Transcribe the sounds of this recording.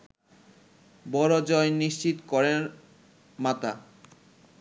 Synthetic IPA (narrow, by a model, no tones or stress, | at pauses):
bɔɾod͡ʑɔjniʃt͡ɕit̪kɔɾeɾ | mat̪a̰